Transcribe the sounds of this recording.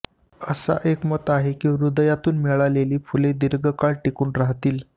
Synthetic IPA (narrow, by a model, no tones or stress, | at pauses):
əsa̰ʔekmət̪aɦekiːɾud̪əjat̪uːnmiɭaleliːfuled̪iɾɡəkaɭʈikuːnɾaɦt̪iːl